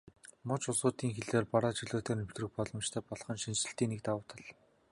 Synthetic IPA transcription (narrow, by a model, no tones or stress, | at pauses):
mʊt͡ɕʊsʊːt̪iːŋxeɮeːrpaɾaːt͡ɕiɮoːt̪ʰeːnɵm̥t̪rɘ̆x̚pɔɮɞ̆mt͡ɕt̪ʰœːpɔɮχɞ̆nʃint͡ɕɘ̆ɬt̪iːŋnek̚t̪awʊ̆ːt̪ʰə̆ɮ